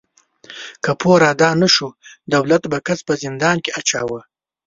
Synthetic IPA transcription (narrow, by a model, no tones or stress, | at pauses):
kapʰoɾɑd̪ɑːnəʃud̪awlat̪bakat͡spəzɪnd̪ɑːnkeʔat͡ʃɑ̰wə